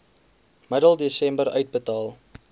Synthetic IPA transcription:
mədəlˠdisɛmbəɾœɥt̚bətɑːlˠ

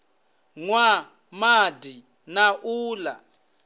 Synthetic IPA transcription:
ŋwa | madi | naʔuːla

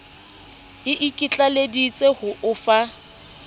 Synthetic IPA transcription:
ɪʔɪkʼɪt͡ɬʼaledit͡sʼehʊʔʊfa

